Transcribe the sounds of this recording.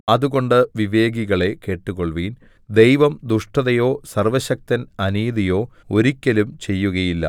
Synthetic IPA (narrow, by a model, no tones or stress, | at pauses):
ɐðuɣo̞ɳɖɨʋiʋe̞ːɡiɣɐɭe̞ke̞ːʈːuɣo̞ɭʋiːn | d̪e̞jʋɐmd̪uʂʈɐðɐjo̞ːsɐrʋɐɕɐk̚t̪ɐnɐniːðijo̞ːo̞ɾikʲːɐlumt͡ɕe̞jːuɣɐjilːɐ̰